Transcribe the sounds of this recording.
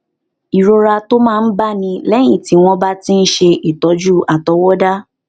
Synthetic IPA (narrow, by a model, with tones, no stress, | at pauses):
i˨ɾo˧ɾa˧to˦mãː˦˧n̩˦ba˦nĩ˧lɛ˦j̃ĩ˦˨ti˨˦w̃ɔ̃˦ba˦tĩ˦n̩˦ʃe˧ʔi˨tɔ˨˦d͡ʒu˦a˨tɔ˨˦wɔ˦da˦